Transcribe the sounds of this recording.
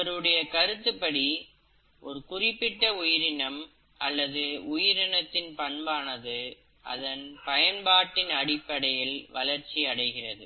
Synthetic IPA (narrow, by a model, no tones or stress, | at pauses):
ɐɾɯɽɐjɐkɐɾɯt̪ːɯpːɐɽi | ʔɔ̰ɾɯkʊrɪpːɪʈːɐʊjɪɾɪnɐm | ʔɐ̰lːɐðɯʊjɪɾɪɳɐt̪ːɪnpɐɳbaːnɐðɯ | ʔɐ̰ðɐnpɐjɐnbaːʈːɪnɐɽɪpːɐɽɐjɪlʋɐlɐɾt͡ʃiɐɽɐɪɣɪrɐðɯ̰